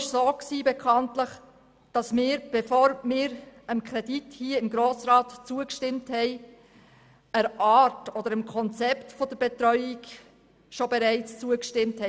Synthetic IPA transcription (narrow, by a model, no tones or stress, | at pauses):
ʃsoːksiːbɛkʰɑntləχ | d̥ɑsmɪːɾb̥ɛfoːɾmɪːɾəmkʰɾɛdithiːəɪmɡɾoːsɾɑːtt͡suəkʃtɪmthɛɪ | əɾʔɑːtɔdəɾəmkʰɔnt͡sɛptfɔd̥əɾbɛtɾœʏɪk | ʃobɛɾæɪt͡st͡suəkʃtɪmthɛ